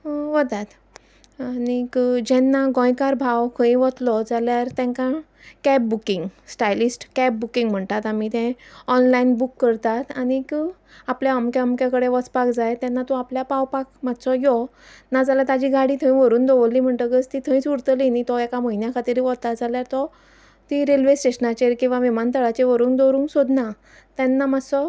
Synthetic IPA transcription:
ʋət̪at̪ | anikd͡ʑɛnːaɡɔ̃jkaɾbʱawkʰə̃ĩʋɔt̪lɔd͡zaljaɾt̪ɛ̃ŋkã | kɛp̚bukiŋɡsʈajlisʈkɛp̚bukĩŋɡm̤əɳt̪at̪amit̪ɛ̃ɔnlainbukːəɾt̪at̪añik | apljaəmkjaəmkakəɽeʋɔt͡spakd͡zajt̪ɛ̃nːat̪ɔapljapawpakmat̪sɔjɔ | nad͡zalat̪ad͡ʑiɡaɽiːt̪ʰə̃ĩʋəɾuːnd̪ɔʋəlːim̤əɳʈ̪əkəst̪it̪ʰə̃ĩt͡suɾt̪əlinit̪ɔekaməinjakʰat̪iɾiʋɔt̪ad͡zaljaɾt̪ɔ | t̪iɾelʋesʈeɕənat͡ɕeɾkĩw̃ʋaʋimant̪əɭat͡ɕeʋəɾuːnd̪oɾũːŋksod̪na | t̪ɛnːamasɔ

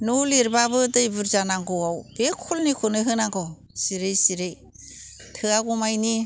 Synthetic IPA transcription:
nuliɾbabɯdɯjbɯɾzanaŋɡɔwawb̥ekʰːulnikʰunɯɦɯnaɡɔ | siɾejsiɾej | tʰɯaɡumajni

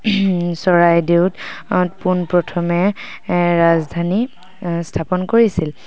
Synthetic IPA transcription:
sɔɹajdewtpunpɹɔtʰɔmɛ | ɹazdʱani | stʰapɔnkoɹisil

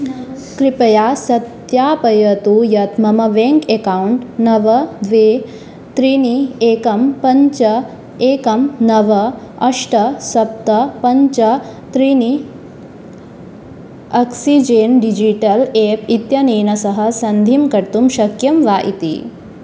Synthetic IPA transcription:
kɾipɐjaːsɐt̪ | jaːpɐjɐt̪ujɐt̪mɐmɐʋeŋkekauɳʈnɐʋɐʋeː | t̪ɾinieːkɐmpɐɲt͡ʃɐ | eːkɐmnɐʋɐ | ɐʂʈɐsɐp̚t̪ɐpɐɲt͡ʃɐt̪ɾini | ɐksid͡ʒenɖid͡ʒiʈɐleːpit̪jɐniːnɐsɐɦɐsɐnd̪ʱimkɐɾt̪umʃɐkjɐmʋaːʔḭt̪ḭ

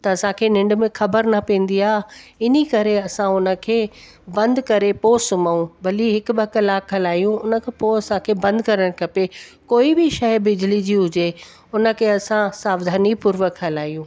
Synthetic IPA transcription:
t̪ɐɐsãkʰeːnɪ̃ɳɖ̆mẽxɐbəɾnɐpẽːn̆d̪iaːɦɪnikɐɾeɐsãʊnə̆kʰeː | bɐ̃nd̪kɐɾepoːsʊmaːũbɐliɦɪkbɐkəlaːkːɐlaːijũʊnə̆kʰẽpoɐsãkʰeːbɐ̃nd̪ʱkɐɾəɽ̃kʰɐpekoːibɪʃɐɪbɪd͡ʑɪlid͡ʑiːɦʊd͡ʑe | ʊnə̆kʰeɐsãsaːʋd̪ʱaːnipʊɾʋəkːɐlaːijũː

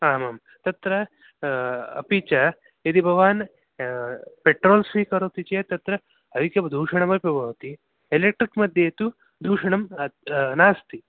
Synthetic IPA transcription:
aːmaːm | t̪ɐt̪ɾɐ | ɐ̰pit͡ʃa | ɐd̪ibʱɐʋaːn | peʈɾoːlsʋikɐɾoːt̪it͡ʃet̪ɐt̪ɾɐ | ɐʋikɐd̪ʱuːʃɐɳɐmɐpʲɐbʱɐʋt̪i | elek̚ʈɾikmɐd̪ʱjet̪u | d̪ʱuːʃɐɳɐmnaːst̪i

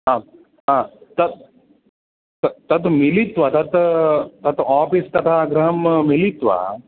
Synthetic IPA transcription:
ɦãː | ɦãːt̪ɐt̪ | t̪t̪ɐt̪milit̪ʋɐt̪ɐt̪t̪ɐt̪aːpist̪ɐt̪ʰaːɡɾɐɦɐmmilit̪ʋa̰

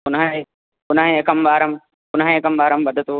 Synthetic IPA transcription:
kʊnːɦĩ | kʊnːɦẽekɐmʋaːɾɐm | kʊnɦĩekɐmbaːɾɐmbɐd̪ʱɐt̪u

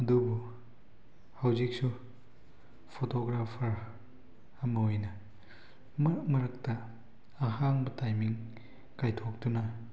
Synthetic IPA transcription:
ɐdubu | hawzik̚su | pʰotoɡɾapʰɐɾ | ɐmɐojnɐ | mɐɾmɐɾɐk̚tɐː | ɦaŋbɐtajmiŋ | kajtʰok̚tunɐ

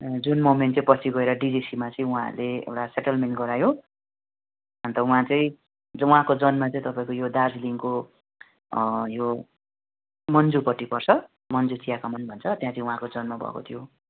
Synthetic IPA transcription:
d͡zunmomenʈt͡sʌĩpʌsʰiɡʌeɾʌɖid͡zisimat͡sʌĩuɦã̰leḛwʈaseʈʌlmenʈɡʌɾajo | ʌnt̪ʌuɦãt͡sʌĩ | d͡zʌuɦãkod͡zʌnmat͡sʌĩt̪ʌpaĩkojodard͡zliŋko | jo | mʌnd͡zupʌʈːipʌrt͡sʰʌ | mʌnd͡zut͡sijakamʌnbʱʌnt͡sʰʌt̪jãt͡sʌĩuɦãkod͡zʌnmabʱʌ̰ko̰t̪ʰijo

